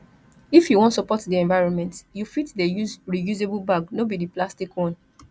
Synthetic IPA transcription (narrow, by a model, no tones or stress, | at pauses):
ifjuwɔ̃ntsɔpɔtdiɛ̃ɱvaɪɹɔ̃nmɛ̃ntjufitdejuɹijuzebulbaɡnobidiplastikwɔ̃n